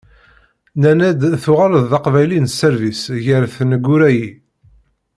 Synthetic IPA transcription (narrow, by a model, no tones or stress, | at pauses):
nænæd̪θʊʁaɾəðːɑqvæjlinsːəɾvisʝəɾθnəɡːʊɾæji